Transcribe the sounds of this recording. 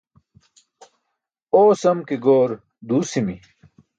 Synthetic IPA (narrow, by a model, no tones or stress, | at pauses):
oːsɐmkeɡoːɾ | d̪uːsimi